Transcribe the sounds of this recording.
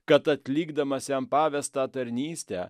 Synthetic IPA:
kɐt̪ɐt̪ʲlʲiːɡd̪ɐmɐsʲjɛmpɑːʋʲɛst̪ɑːt̪ɐɾʲnʲiːsʲt̪ʲɛː

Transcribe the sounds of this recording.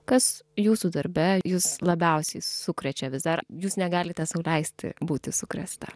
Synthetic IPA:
kɐsjuːsud̪ɐɾʲbʲɛjuːslˠɐbʲɛʊsʲɛɪsʊkɾʲɛt͡ʃʲɛʋʲɪzd̪ɐɾjuːsnʲɛɡɑːlʲɪt̪ʲɛsɐʊlʲɛɪsʲt̪ʲɪ̰buːt̪ʲɪsʊkɾʲɛ̰st̪ɐ̰

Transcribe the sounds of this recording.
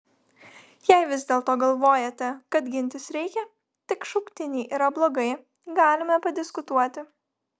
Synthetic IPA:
jɛɪʋʲɪzʲd̪ʲeːlˠt̪oːɡɐlˠʋoːjɛt̪ʲɛkɐt̪ɡʲɪnʲt̪ʲɪsɾʲɛɪkʲɛ | t̪ʲɪkʃʊkt̪ʲɪnʲɛɪʔiːɾɐblˠoːɡɐɪ | ɡɑːlʲɪmɐpɐd̪ʲɪskʊt̪uɔt̪ʲɪ

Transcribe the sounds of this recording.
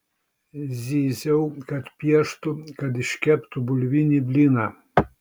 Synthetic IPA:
zʲizʲɛwkɐt̪pʲjɛʃt̪ʊkɐd̪iʃkʲɛpt̪ubʊlʲʋʲinʲibʲlʲinɐ

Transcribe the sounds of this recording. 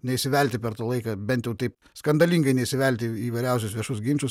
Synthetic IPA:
nʲɛisʲɪʋʲælʲt̪ʲɪpʲɛɾt̪ɑlˠɐɪkɐbʲɛnt̪jɛʊt̪ɐɪp | skɐnd̪ɐlʲiːŋɡɐɪnʲɛɪsʲɪʋʲɛlʲt̪ʲɪiːʋɐɪɾʲæˑʊs̬ʲʊsʋʲiɛʃʊs̬ɡʲiːmʲt͡ʃʲʊs

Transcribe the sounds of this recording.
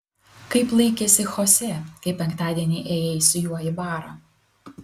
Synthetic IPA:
kɐɪplˠɐɪkʲɛsʲɪxɔsʲekɐɪpʲɛŋkt̪ɑːd̪ʲiɛnʲɛʔeːjɛɪsʲɪjuɔjɪbɑːɾɐ

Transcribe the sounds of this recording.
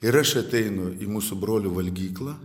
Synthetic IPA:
ɪɾɐʃɐt̪ʲɛɪnʊiːmuːsʊbɾoːlʲuːʋɐlʲɡʲiːklˠɐː

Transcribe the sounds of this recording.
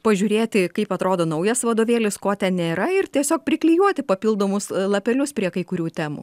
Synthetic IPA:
pɐʒʲuːɾʲeːt̪ʲɪkɐɪpɐt̪ɾoːd̪oːnɐʊjɛsʋɐd̪oːʋʲeːlʲɪskoːt̪ʲɛnnʲeːɾɐɪrt̪ʲiɛsʲoːk̚pʲɾʲɪklʲijuɔt̪ʲɪpɐpʲiːlˠd̪oːmʊslˠɐpʲɛlʲʊspʲɾʲiɛkɐɪkʊɾʲuːt̪ʲæːmṵː

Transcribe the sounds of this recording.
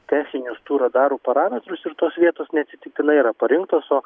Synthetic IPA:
t̪ʲæːsʲɪnʲʊst̪uːɾɐd̪ɑːɾuːpɐɾɑːmʲɛt̪ɾʊsɪɾt̪oːsʋʲiɛt̪oːsnʲɛɐt̪sʲɪt̪ʲɪk̚t̪ʲɪnɐɪiɾɐpɐɾʲɪŋkt̪oːsoː

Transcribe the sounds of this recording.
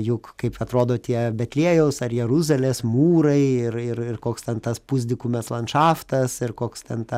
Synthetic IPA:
jʊkkɐɪpɐt̪ɾoːd̪oːt̪ʲiɛbʲɛt̪ʲlʲiɛjɛʊsɐrjɛɾuzɐlʲeːsmuːɾɐɪɪrɪrɪrkoːkst̪ʲɛnt̪ɐspuzʲd̪ʲɪkʊmʲɛslˠɐnʃɑːft̪ɐsɪrkoːkst̪ʲɛnt̪ɑ

